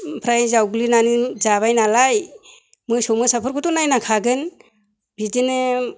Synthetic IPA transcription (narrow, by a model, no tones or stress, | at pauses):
pʰɾajzawɡlinanɯzaβajnalaj | mɯsɔmɯsapʰɯɾkʰutɔnajnakʰaɡɯn | bidɯnɯ